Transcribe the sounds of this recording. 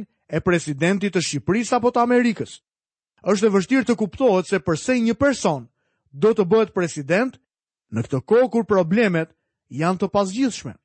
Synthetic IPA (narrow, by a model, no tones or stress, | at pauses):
n | ɛpɾɛsid̪ɛnt̪̬it̪ːəʃipɾisapɔt̪əamɛɾikəs | əʃ̬t̪ɛvəʃ̬t̪iɾt̪əkupt̪ɔɦɛt̪sɛpəɾsɛɲəpɛɾsɔn | d̪ɔt̪əbəɦɛt̪̚pɾɛsid̪ɛnt̪ | nəkt̪əkɔkuɾpɾɔblɛmɛt̪ | jant̪əpazɟiθʃmɛ̰